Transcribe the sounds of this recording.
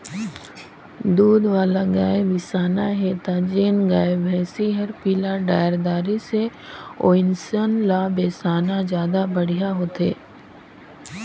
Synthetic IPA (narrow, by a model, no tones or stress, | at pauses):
d̪uːd̪ʋaːlaɡaːebɪsaːnaɦet̪ad͡ʒeːnɡaːebɛːsiɦɐɾpiːlaɖaːɪɾd̪aːɾiseo̰ːɪnsənlabeːsaːnazjaːd̪abɐɽ̤ijaɦoːt̪eː